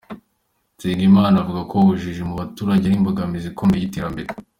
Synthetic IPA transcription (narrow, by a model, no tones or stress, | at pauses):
siːnimaːnavuɡakoβuʒiʒemuβatuːɾaɟenimboɡamizikomejite̞ːɾambe̞ɾe